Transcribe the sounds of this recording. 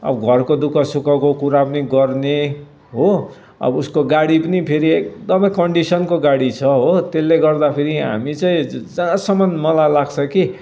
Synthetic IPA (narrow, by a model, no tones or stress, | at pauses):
ʌ̰bʌɡʱʌrkod̪ukʌsukʌkokuɾapʌniɡʌrne | ɦo | ʌ̰buskoɡaɽipʌnipʰeɾiek̚d̪ʌmʌjkʌɳɖisʌnkoɡaɽit͡sʰʌɦot̪elːeɡʌrd̪apʰeɾiɦa̰mit͡sʌĩd͡zasʌmʌnmʌlajlaɡt͡sʰʌki